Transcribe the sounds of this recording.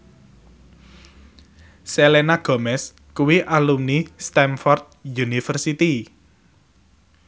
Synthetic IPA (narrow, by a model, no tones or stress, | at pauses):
selenaɡ̥ɔ̤mɛs | kuwiʔalumnist̪ɛnfɔrt̪̚junifərsit̪i